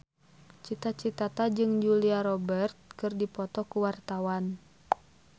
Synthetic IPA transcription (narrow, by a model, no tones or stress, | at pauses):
t͡ʃit̪at͡ʃit̪at̪ad͡ʒɨŋd͡ʒuliaɾɔbərt̪̚kɨrdipɔt̪ɔkuwart̪awan